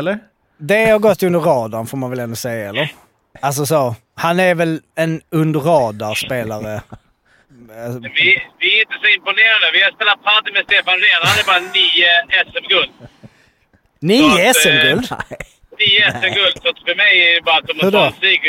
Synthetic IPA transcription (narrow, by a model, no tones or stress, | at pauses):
ɛlːə | d̪ɛhaɾɡɔt̪ʰːɵnd̪əɾɑːd̪anfoːɾmanvɛlɛnd̪ʊsɛjːaɛlːəɾ | als̬ɔsoː | hanæɾvɛlɛnɵnd̪əɾɑːd̪aspeːlaɾə | vɪvɪæɾɪnt̪əsɔɪmpʊneːɾand̪əvɪhaspeːlat̪̚pʰat̪ɪmɛst̪eːfannenad̪ɛbɑːɾaniːəɛsɛmɡɵld̪ | niːəɛsɛmɡɵld̪ | niːəɛsɛmɡɵld̪sɔt̪fœɾmɛjæəbɑːɾat̪̚d̪ɔmhʉd̪siːɡ